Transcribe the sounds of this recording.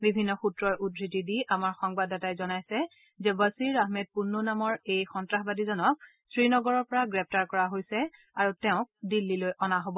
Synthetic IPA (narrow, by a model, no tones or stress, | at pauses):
bibʱinːɔxutɹɔɹʔudʱɹitidiʔamaɹxɔŋbadatajzɔnajsɛ | zɛbasiɹaɦmɛd̚punːunamɔɹejxɔntɹaxbadizɔnɔk̚ | sɹinɔɡɔɹɔɹpɔɹaɡɹɛp̚taɹkɔɹaɦojsɛ | aɹutɛʊ̃k̚dilːilojʔɔnaɦobɔ